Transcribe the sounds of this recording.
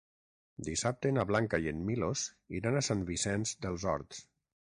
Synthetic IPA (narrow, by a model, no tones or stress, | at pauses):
d̪isap̚t̪enaβlaŋkaienmiloz | iɾanasanβisɛnzd̪əlˠzɔ̰ɾt̪s